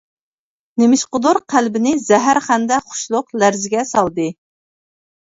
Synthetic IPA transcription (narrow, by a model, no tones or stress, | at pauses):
nemɪʃqʊd̪uɾqʰælbɪnɪzɛɦæɾχænd̪ɛχʊ̥ʃlˠʊqlæɾzɪɡʲɛsɑlˠd̪ɨ